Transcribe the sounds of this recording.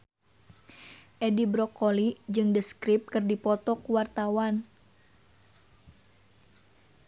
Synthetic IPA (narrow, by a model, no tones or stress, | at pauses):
ʔɛdibɾɔkolid͡ʒɨŋdəskɾip̚kɨrdipɔt̪ɔkuwart̪awan